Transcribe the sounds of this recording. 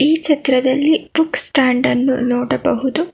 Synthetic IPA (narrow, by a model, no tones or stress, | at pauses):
iːkt͡ʃɐt̪ɾɐd̪ɐlːib̥uksʈaːɳɖɐnːṵnɔːɽɐbɐɦud̪u